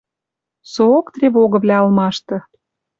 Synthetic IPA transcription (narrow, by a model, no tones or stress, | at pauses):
soːkt̪rʲeβoɣɤ̆βlʲæɑ̆lmɑʃt̪ɤ̆